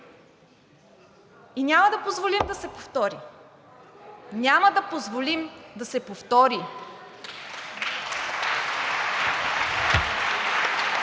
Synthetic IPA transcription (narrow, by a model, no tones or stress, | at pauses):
inʲaməd̪ɐpozvolimd̪ɐsɛpoft̪ɔɾi | nʲaməd̪ɐpozvolimd̪ɐsɛpoft̪ɔɾi